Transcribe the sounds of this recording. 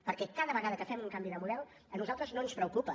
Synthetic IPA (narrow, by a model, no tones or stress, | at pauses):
pəɾkɛkaðəβəɣaðəkəfɛmuŋkambiðəmuðɛlˠ | ənuzalˠt̪ɾəznoənspɾəukupə